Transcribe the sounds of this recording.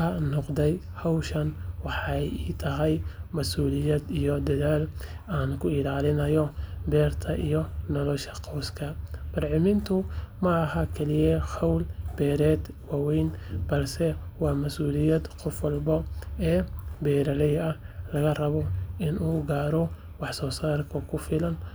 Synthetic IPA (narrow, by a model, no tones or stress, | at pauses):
ɐnɔqd̪ɛj | hɑwʃɐnwɑħɑjiːt̪ʰɐɦɛjmɐsuːlɪjɐd̪ijɔd̪ɐðaːlaːnkʰʊɪlaːlɪnɐjɔbɛːrt̪ʰɐʔijɔnɔlɔʃɐ̥qɑwskʰɐb̥ɐrʕɪmɪnt̪ʰʊmɐːɦɐkʰɛlɪjɛhɑwlb̥ɛːɾɛːd̪ | wɑːwɛjnbɐlsɛwɑːmɐsuːlɪjɐd̪qɔfwɐlbɔɛːbɛːɾɐlɛjɐhlɐɣɐrɐβɔʔɪnʔuːɡaːɾɔ | wɑħsɔːsaːrkʰɐkʰʊfɪlɐn